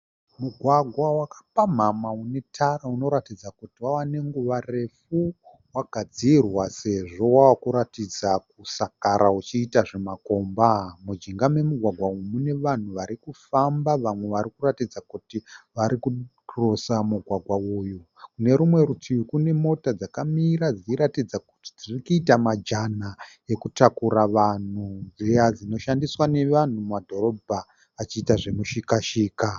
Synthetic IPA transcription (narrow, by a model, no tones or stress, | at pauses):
muɡʱwaɡʱwawakḁpam̤amaune̞tʰaɾauno̞ɾatid͡zakutiwawane̞ŋɡuʋare̞fu | waɡʱad͡zirwase̞ʐo̞wawakuɾatid͡zak̚usakaɾaut͡ʃiːtaʐe̞mako̞ːmbamud͡ʒiŋɡamwe̞muɡʱwaɡʱwaumune̞ʋan̤uʋaɾikufambaʋamwe̞ʋaɾikuratid͡zakutiʋaɾiku | rosamuɡʱwaɡʱwauːjukune̞ɾumwe̞ɾutʰiukune̞mo̞tad͡zakamiɾad͡ziiɾatid͡zaku̥ti̥d͡zirikuːtamad͡ʒana | e̞kutakuɾaʋan̤ud͡zijad͡zino̞ʃandiswane̞ʋan̤ummadʱo̞ɾo̞bʱaː | t͡ʃiːtaʐe̞muʃikaʃiːka